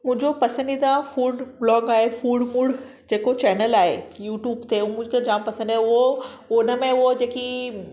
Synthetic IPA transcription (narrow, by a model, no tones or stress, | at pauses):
mʊ̃ɦɪ̃ɲd͡ʑopɐsə̃nd̪id̪ãfuːɖblɔːɡaːɦefuːɖmuɽ | d͡ʑeːkot͡ɕɛːnəlaːɦḛjuːʈjuːbt̪ʰeʊmʊ̃d͡ʑkʰed͡ʑaːmpɐsə̃nd̪iaoʊnəmẽʊɦod͡ʑeːki